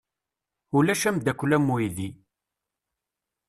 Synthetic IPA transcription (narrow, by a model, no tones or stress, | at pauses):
ulæʃæmd̪ækʷːlæmːuiði